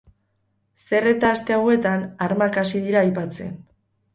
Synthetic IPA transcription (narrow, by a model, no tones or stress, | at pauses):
se̞re̞t̪aːst̪e̞awe̞t̪anaɾmakasiðiɾaːjpat͡se̞̰n